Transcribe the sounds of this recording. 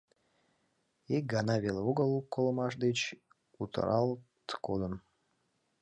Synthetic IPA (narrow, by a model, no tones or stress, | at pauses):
eɡɑnɑvʲeloɡəlˠukːolˠəmɑʃd̪et͡ɕ | ut̪ə̰ɾʔɑlˠt̪kod̪ən